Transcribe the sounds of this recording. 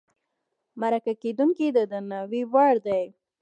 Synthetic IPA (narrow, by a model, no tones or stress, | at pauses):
maɾakaked̪uŋkid̪əd̪ənawiwaɽd̪aj